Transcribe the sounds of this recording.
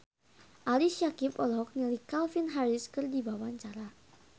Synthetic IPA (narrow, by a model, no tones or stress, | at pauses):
ʔaliʃiakipɔlɔk̚nilikalfinɦaɾɪskɨrdibawaɲt͡ʃaɾa